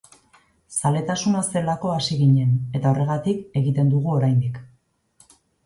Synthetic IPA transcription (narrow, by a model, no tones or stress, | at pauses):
sale̞t̪asunase̞lako̞asiɣiɲe̞ne̞t̪ao̞re̞ɣ̞at̪ike̞ɣit̪e̞nd̪uɣ̞uo̞ɾajnd̪ik